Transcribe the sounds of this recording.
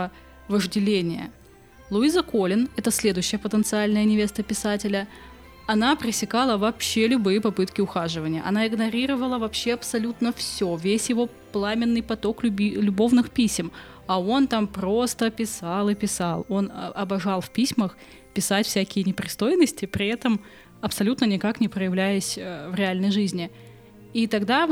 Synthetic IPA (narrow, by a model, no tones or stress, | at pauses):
vəʐdʲɪlʲenʲɪjə̰ | lˠʊizəko̞lʲɪnɛt̪əsʲlʲe̞d̪ʊjɕːɪjəpət̪ənt̪sɨalʲnəjənʲɪvʲe̞st̪əpʲɪsatʲɪlʲə | ɐnapɾʲɪsʲɪkalˠəvɐpɕːelʲʊbɨjəpɐpɨt̪kʲɪʊxaʐɨvənʲɪjə̰ʔɐ̰naɪɡnɐɾʲiɾəvəlˠəvɐpɕːe̞ɐpsɐlʲut̪nəfsʲovʲesʲjɪvo̞ | plˠamʲɪnːɨjpɐt̪o̞klʲbʲlʲʊbo̞vnɨxpʲisʲɪm | ɐo̞nt̪ampɾo̞st̪əpʲɪsɑlˠɨpʲɪsalˠo̞nɐbɐʐɑlˠfpʲisʲməx | pʲɪsatʲfsʲækʲɪjənʲɪpɾʲɪst̪o̞jɪnəsʲtʲɪpɾʲɪɛt̪əm | ɐpsɐlʲut̪nənʲɪkaknʲɪpɾəjɪvlʲæjɪsʲəvɾʲɪalʲnəjʐɨzʲnʲɪ | it̪ɐɡd̪a